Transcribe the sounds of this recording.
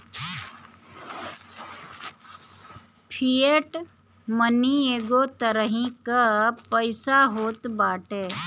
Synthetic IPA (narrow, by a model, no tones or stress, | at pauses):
pʰieʈ | mənieːɡot̪əɾəɦĩkapəɪsaɦoːt̪baːʈeː